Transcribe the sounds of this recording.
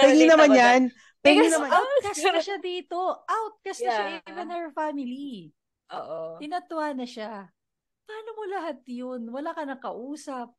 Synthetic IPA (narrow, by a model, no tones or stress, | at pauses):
pɛɡlɪnɐmanjan | p̪ɛɡɪnɐmawt̪̚kɐsnɐʃad̪iːt̪o̞ʔawt̪̚kɐsɛʃaʔivɛnɛɹfamɪli | oːʔot̪ɪnɐt̪ʊwaːnɐʃa | paːlomolɐɦat̪̚jonwɐlaːkɐnɐkɐʔuːsɐp̚